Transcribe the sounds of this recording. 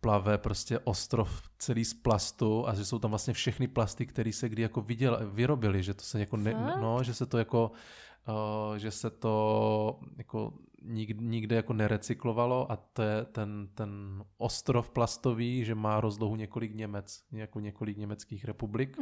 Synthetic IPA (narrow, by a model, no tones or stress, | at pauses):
plavɛpɾoscɛʔost̪ɾoft͡sɛliːsplast̪uʔaʒɛso̞wt̪amvlast̪ɲɛfʃɛxnɪplast̪ɪkt̪ɛɾiːsɛɡdɪjako̞vɪɟɛlvɪɾo̞bɪlɪʒɛt̪o̥sɛjakonɛnoʒɛsɛt̪ojako̞ | ʒɛsɛt̪o̞ | jako̰ɲɪɡɲɪɡdɛjako̞nɛɾɛt͡sɪklo̞valo̞ʔat̪ojɛt̪ɛnt̪ɛnʔost̪ɾofplast̪oviːʒɛmaːɾozloɦuɲɛko̞lɪkɲɛmɛt͡sjakoɲɛko̞lɪkɲɛmɛt͡skiːxɾɛpublɪk